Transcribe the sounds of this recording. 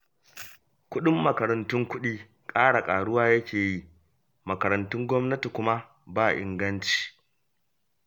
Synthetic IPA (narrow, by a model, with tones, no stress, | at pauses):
kʷʊ˦ɗɪ˦mːɐ˨kɐ˨ɾɐ˨ntʊ˦ŋkʷʊ˦ɗiː˦ | kʼaː˦ɽa˨kʼaː˨ɽʊ˦waː˦jɐ˦kʲeː˨ji˦ | mɐ˨kɐ˨ɾɐ˨ntʊ˦ŋɡʷɔ˦mnɐ˦ti˨kʷʊ˦ma˦ | baː˦˨ʔɪ̰˨ŋɡɐ˦nt͡ʃi̥ː˨